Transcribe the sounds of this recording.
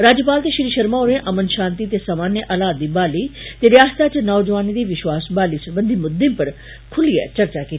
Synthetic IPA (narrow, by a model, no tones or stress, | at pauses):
ɾaːd͡ʒjəpaːlt̪eʃɾiːʃɐɾmaoːɾẽʔɐmənʃãːnt̪it̪̬esamaːnjəʔaːlaːt̪̚ːiːbaːlit̪eɾjaːst̪ʰat͡ʃɐnɔːʋd͡ʒəʋaːnid̪iːʋɪʃwaːsbaːlisɐɾbə̃nd̪ʱimʊd̪ĩmpɐɾ | kʰʊlija̰t͡ʃɐɾt͡ʃakiːt̪ʰi